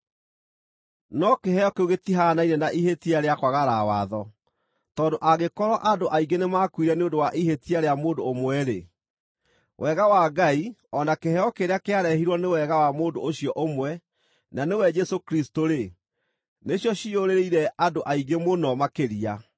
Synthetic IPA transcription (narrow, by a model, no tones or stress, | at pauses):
nɔkeɦɛjɔkeuɣetiɦanainɛnaʔihetiaɾeakwaɣaɾawaðɔ | tɔːndoʔaɣekɔɾɔʔadoʔaiŋɡenemakwiɾɛneondowaʔihetiaɾeamoːdoːmwɛɾe | wʔɛɣawaɡaiɔnakehɛɔkeɾeakeaɾɛhiɾwɔnewɛɣawamondooɕjɔʔomwɛ | nanewɛd͡ʒɛsokɾistoɾe | neɕjɔɕioɾeɾeiɾɛʔadoʔaiɡemonɔmakeɾia